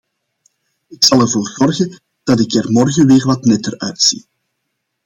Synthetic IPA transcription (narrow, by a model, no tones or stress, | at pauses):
ɪksɑlˠɛrvoːrzɔrɣə | d̥ɑtɪkɛrmɔrɣəʋeːrʋɑtnɛtərœɥtsḭ